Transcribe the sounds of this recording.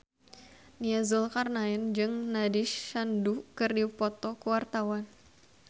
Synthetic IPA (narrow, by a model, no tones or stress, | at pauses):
niazulkarnaɛnd͡ʒɨŋnadiʃandukɨrdiupɔt̪ɔkəwart̪awan